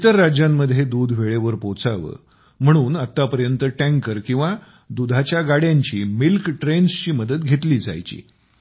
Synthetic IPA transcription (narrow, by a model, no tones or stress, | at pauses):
it̪əɾːad͡ʑjamːəd̪ʱjed̪uːd̪ʱʋeɭeʋəɾpot͡saʋə̰ː | m̤əɽ̃uːnat̪ːapəɾjənt̪əʈæ̃ŋkəɾkĩw̃ʋa | d̪ud̪ʱat͡ɕjaɡaɽjaɲt͡ɕiːmilkʈɾenst͡ɕiːməd̪ət̪ɡʱet̪liːd͡za̰jt͡ɕḭː